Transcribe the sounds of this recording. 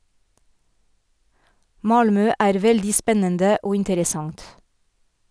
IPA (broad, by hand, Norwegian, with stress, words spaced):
ˈmɑlmœ ˈæːɾ ˈʋɛldiː ˈspɛnəndə ˈoː ɪntəɾəˈsɑŋt